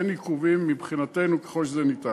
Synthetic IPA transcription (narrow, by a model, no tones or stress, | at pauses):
enikuvimːibχinat̪enuke̥χoʃzenit̪a